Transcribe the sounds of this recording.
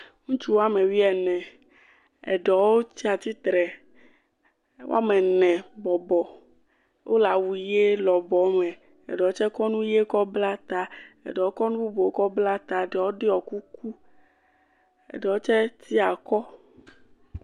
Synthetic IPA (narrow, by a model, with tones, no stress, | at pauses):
ŋũ˦t͡ʃu˦wo˦a˦me˨wi˦ɛ˨nɛ̃˨ | ɛ̰˨ɖɛ˨wo˦t͡ʃi˦a˨t̪i˦t̪ɾɛ˨ | wo̰˦a̰˦mɛ˨nɛ̃˨bɔ˨bɔ˨ | wʔo̰˦la˨wu˨˦je˦lɔ˨bɔ˨˦mɛ̃˨ | ɛ̰˨ɖɛ˨o˦t͡ʃɛ˦kɔ˦nũ˦je˦kɔ˦bla˦t̪a˦ɛ̰˨ɖɔ˨wo˦kɔ˦nũ˦bu˦bo˨o˦kɔ˦bla˦t̪a˨ɖɛ˨wo˦ɖe˦ɔ˨ku˦ku˦ | ɛ̰˨ɖɛ˨wo˦t͡ʃɛ˦t̪ʰi˦a˨kɔ˦